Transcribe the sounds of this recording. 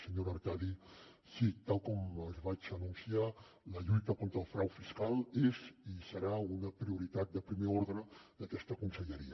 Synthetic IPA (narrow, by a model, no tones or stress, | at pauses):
səɲoɾəɾkaði | sit̪alˠkɔməzβad͡ʒənunsia | ləʎujt̪əkont̪ɾəlˠfɾawfiskalˠezisəɾaunəpɾiuɾit̪at̪̚d̪əpɾimeoɾðɾəd̪əkɛst̪əkunsəʎəɾiə